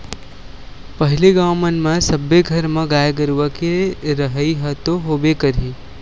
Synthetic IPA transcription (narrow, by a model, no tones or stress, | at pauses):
pəɦɪleɡaːmənmẽsəbːeɡʱəɾmẽɡaːjeɡəɾuʋəkeɾəɦəiɦət̪oɦoːbekəɾi